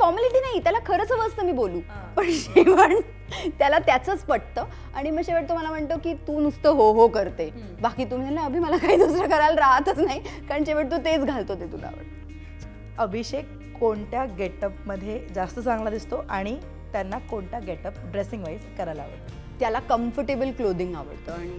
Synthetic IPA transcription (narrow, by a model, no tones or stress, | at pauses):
fɔɾməliʈiːnaɦit̪jalakʰəɾət͡səʋəst̪əmiːboluːpəɳɕiʋ̤əɳ | t̪jalat̪jat͡sət͡spəɽ̚t̪əː | aɽ̃iməɕeʋəɽt̪oməlam̤əɳt̪əkiːt̪uːnust̪əɦoɦokəɾt̪e | bakiːt̪um̤alaəbʱiːməlakaɦiːd̪usɾəkəɾalɾaɦat̪ət͡snaikaɾəɳɕeʋəɽt̪̬ut̪et͡sɡʱalt̪ot̪et̪ula̰ʋə̰ɽ | əbʱiɕekː | oɳʈ̪jaɡeʈəp̚məd̪ʱːjed͡zast̪ət͡sãŋɡlad̪ist̪oʔaɽ̃i | t̪janːakoɳʈ̪jaɡeʈəp̚ɖɾesiŋɡʋaiskəɾajlaʋə̰t̪ə | t̪jalakəmfəʈebəlklod̪iŋɡa̰ʋə̰ɽt̪əaɽ̃i